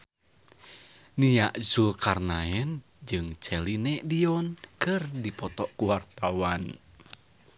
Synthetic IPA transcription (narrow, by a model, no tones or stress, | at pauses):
nijaʔzulkarnaɛn | d͡ʒɨŋt͡ʃɛlinɛʔdiɔnkɨrdipɔt̪ɔʔkuwart̪awan